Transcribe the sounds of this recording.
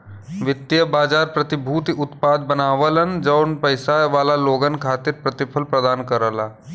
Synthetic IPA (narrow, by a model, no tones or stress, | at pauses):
ʋɪt̪jəbaːd͡ʒaːɾpɾɐt̪ɪbʱuːt̪iʊt̪paːd̪̚bənaːʋələnd͡ʒɐːnpəɪsaʋaːlaloːɡənkʰaːt̪ɪɾpɾət̪ɪpʰəlpɾəd̪aːnkəɾəlaː